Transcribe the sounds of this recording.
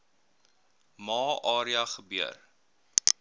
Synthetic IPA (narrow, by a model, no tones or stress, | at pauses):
mɑːʔɑːɾiɐχəbiə̰r